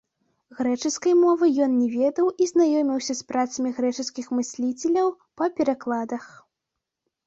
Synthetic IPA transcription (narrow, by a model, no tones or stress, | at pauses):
ɣɾɛt͡ʂɨskɐjmɔvɨjɔnnʲɛvʲɛd̪ɐwʔiznajɔmʲiwsʲɐspɾat̪sɐmʲiɣɾɛt͡ʂɨskʲixmɨsʲlʲit͡sʲɛlʲɐw | pɐpʲɛɾaklˠad̪ɐx